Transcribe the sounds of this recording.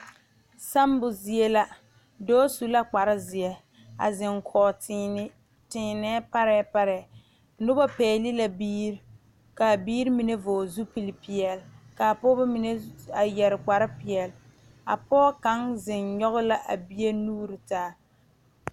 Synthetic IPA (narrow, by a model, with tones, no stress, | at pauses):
sa˦mbʊ˨zi˦e˦la˦ | dɔː˦su˨la˦k͡pa˨ɾɪ˦zɪ˨ɛ˨ | a̰˨zɪ˨ŋkʰɔː˨t | tɪː˨nɛ˦pa˦ɾɛ˦pa˦ɾɛ˨ | nʊ˦bɔ˦pɛː˨˦˨li˦la˦biː˦ɾ | ka˨biː˦ɾi˦mi˨ne˦voː˨zu˦pi˨li˨pi˨ɛ˨lka˨pɔ˦ba˦mi˦ne˦a˨jɛ˨ɾɪ˨k͡pa˨ɾɪ˦pɪ˨ɛ˨l | a̰˨pɔː˦ka˨˦ŋzɪ˨nɲɔ˦ɣʊ˦la˦ʔa˨bi˦e˦nuː˦ɾi˨taː˦